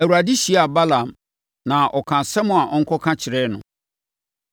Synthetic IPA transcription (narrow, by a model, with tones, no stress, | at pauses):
æ˨wu˨ɾa˨dɪ˦ɕi˨˦a˨ba˦lã˨m | nã˨ʔɔ˨kʰã˨sɛ˦mʊ̃˨a˨ʔɔ˦ŋ̩˦kʰɔ˦kʰã˦t͡ɕʰɪ˨ɾɛ˦nʊ̰̃˨